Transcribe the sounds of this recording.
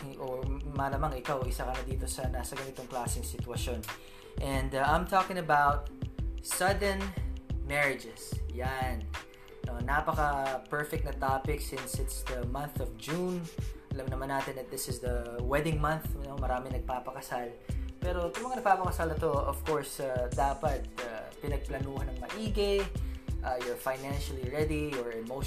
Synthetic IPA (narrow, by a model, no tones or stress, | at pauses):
ʔomalɐmaŋɪkawʔɪsakɐnɐd̪iːt̪o̞sɐnaːsɐɡɐnɪt̪oŋklaːsɪŋsɪt̪ʊwɐʃon | ʔɛ̃nd̪ãjmt̪ʰokɪ̃ŋɐbawt̪̚sɐd̪ɛnmɛɹɪd͡ʒɛsjanː | onapɐkɐpɛɹfɛk̚t̪̚nɐt̪apɪksɪ̃nsɪt̪sd̪ɐmɐ̃nθɔvd͡ʒunʔɐlɐmnɐmanːaːt̪ɪnɐt̪̚d̪ɪsɪsd̪ɐwɛd̪ɪŋmɐnθnomɐɾaːmɪŋnɐɡ̚papɐkɐsalpɛːɾo̞t̪ʊ̃ŋmɐŋanɐɡ̚paːpɐkɐsalnɐt̪o̞ɔv̥koɹsad̪aːpɐt̪̚apɪnɐɡ̚plɐnuːhɐnɐŋmɐʔiːɡejʔajɔɹfajnanʃɐliɹɛd̪iɔɹɛmo